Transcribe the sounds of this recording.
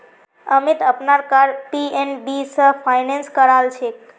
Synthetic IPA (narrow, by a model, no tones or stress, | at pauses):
əmit̪əpnaɾkaɾpienbisəfʰajnenskəɾalt͡ʃʰe